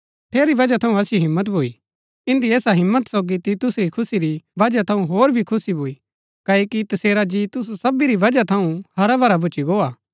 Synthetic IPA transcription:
t̪ʰeːɾiʋɐd͡ʒat̪ʰɐũɐsiɦɪ̃mːət̪̬bʱoi | ɪ̃nd̪ieːsaɦɪ̃mːət̪soːɡit̪it̪ʊsɾikʰʊsiɾiʋɐd͡ʒat̪ʰɐũɦoːɾbʱikʰʊsibʱoːi | kɐːoːkit̪ɐseːɾad͡ʒit̪ʊs̬sɐbiɾiʋɐd͡ʒat̪ʰɐũhɐɾabʱɐɾabʱʊt͡ʃiɡoːaː

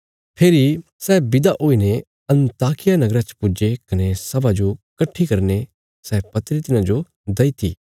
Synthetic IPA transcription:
pʰeːɾi | sɛːbɪd̪aʔoːine | ɐ̃nt̪aːkɪjanɐɡɾat͡ʃpʊd͡ʒekɐnesɐbad͡ʒokɐʈʰːikɐɾne | sɛːpɐt̪ɾit̪ɪnãd͡ʒo | d̪ɐit̪ʰḭː

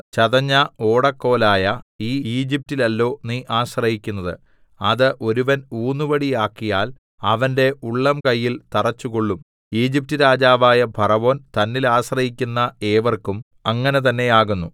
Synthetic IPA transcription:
t͡ɕɐðɐɲːɐoːɽɐkːo̞ːlaːjɐiːiːd͡ʑip̚tilɐlːo̞ːniʔaːɕrɐɦikʲːunːɐðɨ̰ | ɐðɨʔo̞ɾuʋɐnuːnːuʋɐɽijaːkːijaːl | ɐʋɐnde̞ʔuɭːɐmkɐjːilt̪ɐrɐt͡ɕːukoɭːum | iːd͡ʑip̚tɨɾaːd͡ʑaːʋaːjɐbʱɐrɐʋo̞ːnt̪ɐnːilaːɕrɐhikʲːunːɐe̞ːʋɐrkum | ɐŋːɐne̞t̪̬ɐnːe̞jaːɣunːu

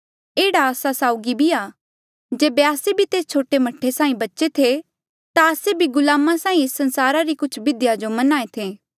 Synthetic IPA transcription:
eːɽaːsasaːʊɡibʱiaː | d͡ʒeːbeaːsebʱit̪eːst͡ʃʰoːʈemɐʈʰːesãːĩbɐtːʃet̪ʰe | t̪aəsebʱiɡʊlaːmasãːĩesːɐ̃nsaːɾaɾikʊt͡ʃʰbɪd̪ɪjad͡ʒomɐnaːet̪ʰeː

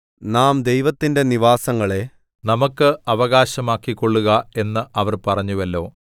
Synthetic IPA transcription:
naːmd̪e̞jʋɐt̪ːinde̞niʋaːsɐŋːɐɭe̞ | nɐmɐkːɨɐʋɐɣaːɕɐmaːkːikːo̞ɭːuɣɐe̞nːɨʔɐʋɐrpɐrɐɲːuʋɐlːo̞ː

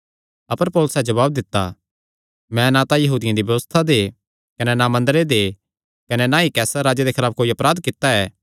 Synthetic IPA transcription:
ɐpəɾpoːlʊsɛd͡ʒɐβaːb̚d̪ɪt̪ːa̰ | mɛ̃nat̪ãjɐɦuːd̪ɪjãd̪ibjɐʋəst̪ʰad̪e | kɐnɛnamɐ̃nd̪əɾed̪e | kɐnɛnãikɛːsaɾaːd͡ʒed̪ekʰɪlaːpkoːiɐpɾaːd̪kɪt̪ːaɛː

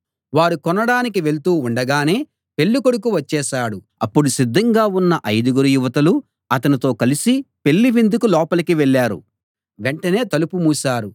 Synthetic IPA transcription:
ʋaːɾukɔnːɐɽaːnik̬iʋe̞ɭt̪uːuɳɖɐɡaːne̞ː | pe̞ɭːukoɽuk̬uʋɐt͡ʃːɛːʃaːɽu | ɐpːuɽusid̪ːɐŋɡaːunːɐʔɐjd̪uɡuɾujuʋɐt̪ɐlu | ɐt̪ɐnit̪o̞ːkɐlisipe̞ɭːiʋind̪ukulɔːpɐlɐkiʋeɭːaːɾṵ | ʋeɳʈɐne̞ːt̪ɐlupumuːsaːɾu

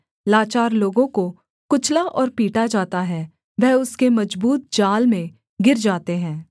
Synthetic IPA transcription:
laːt͡ʃaːɾloːɡõko | kʊt͡ʃʰlaʔɔːɾpiːʈad͡ʒaːt̪aɦɛː | ʋɛɦʊskemɐd͡ʒbuːt̪̚d͡ʒaːlmẽ | ɡɪɾd͡ʒaːt̪eɦɛ̃ː

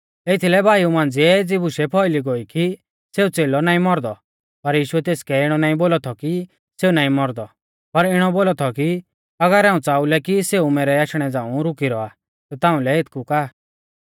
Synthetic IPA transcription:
et̪ʰilɛbʱaːiumãːnd͡zɪɛd͡zɪbuʃɛpʰɔɪliɡoiki | seːut͡seːlɔnaːĩmɔɾd̪ɔ | pɐɾjiːʃuɛt̪eːskɛɪɽ̃ɔnaːĩboːlɔt̪ʰɔki | seːunaːĩmɔɾd̪ɔ | pɐɾɪɽ̃ɔboːlɔt̪ʰɔki | ɐɡəɾaːũt͡saːulɛkiseːumɛːɾɛaːʃɽ̃ɛd͡zãːũɾʊkiɾɔa | t̪ɔt̪ãːũlɛɪt̪ʰkukaː

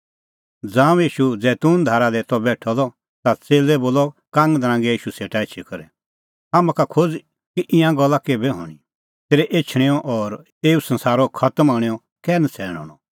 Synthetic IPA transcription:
d͡zãːw̃jiːʃud͡zɛːt̪uːnd̪ʱaːɾad̪ɛt̪ɔbɛːʈʰɔlɔ | t̪at͡seːlɛboːlɔkãːŋɡd̪ɐɾãːŋɡɛiːʃuseːʈaɪt͡ʃʰikɐɾɛ | aːmãkakʰod͡z | kiʔɪ̃jãɡɔlːakeːbɛɦɔ̰ːɽ̃i | t̪eːɾɛʔeːt͡ʃʰɽ̃eɔʔɔɾ | eːusɐ̃nsaːɾɔkʰɐt̪maːɽ̃eɔ | kɛːnət͡sʰɛːɽ̃ɔ̰ːɽ̃ɔ

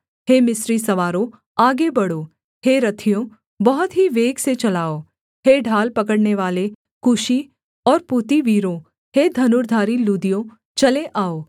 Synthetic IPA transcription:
heːmɪsɾisɐʋaːɾõ | aːɡebɐɽoː | heɾɐt̪ʰijõ | bɐɦʊt̪ɦiʋeːɡset͡ʃɐlaːoː | heːɖʱaːlpɐkəɽneʋaːle | kʊʃi | ɔːɾpuːt̪iʋiːɾõ | heːd̪ʱɐnʊɾd̪ʱaːɾiluːd̪ijõ | t͡ʃɐleʔaːoː

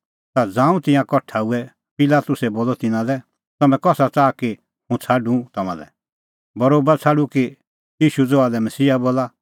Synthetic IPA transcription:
t̪ad͡zãːũt̪ɪ̃jãkɔʈʰaːuɛ | pɪlaːt̪ʊsɛboːlɔt̪ɪnãlɛ | t̪ɐmɛ̃kɔsat͡saːki | hũt͡sʰaɖũt̪ɐmã̰lɛ̰ | bɐɾoːbat͡sʰaɖuki | jiːʃud͡zoalɛmɐsiːaboːla

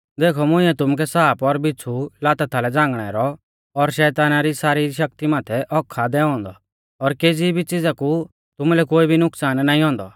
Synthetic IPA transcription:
d̪eːkʰɔmʊ̃ɪ̃ɛt̪ʊmuk̬ɛsaːpɔɾbɪt͡sʰːulaːt̪at̪ʰalɛd͡zãːŋɡɽ̃ɛɾɔ | ɔɾʃɛːt̪aːnaɾisaːɾiʃ̬ɐk̚t̪imaːt̪ʰɛʔɔkʰːad̪ɛːɔ̃ːnd̪ɔ | ɔɾkeːd͡zibʱit͡sɪd͡zaku | t̪ʊmulɛkoːibʱinʊksaːnːaːĩɦɔ̃ːnd̪ɔ̰

